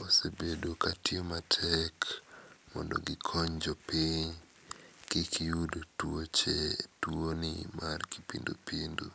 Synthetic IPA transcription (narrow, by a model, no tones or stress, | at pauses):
osebedokatɪomatʰɛkmɔ̰ndo̰ɡɪkʰɔɲd͡ʒopiɲ | kikijudotwot͡ʃetwonɪmarki̥pḭndo̰pindṵ